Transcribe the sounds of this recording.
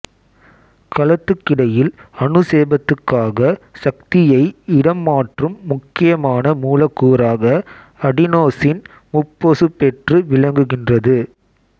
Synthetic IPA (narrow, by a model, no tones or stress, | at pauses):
kɐlɐt̪ːɯkːɪɽɐjɪlɐɳɯseːbɐt̪ːɯkːaːɣɐsɐk̚t̪ɪjɐɪɪɽɐmːaːʈrɯmːʊkːɪjɐmaːnɐmuːlɐkːuːɾaːɣɐ | ɐɽɪnoːsɪn | mʊpːosɯpːɛʈrɯʋɪɭɐŋɡɯɣɪndrɐðɯ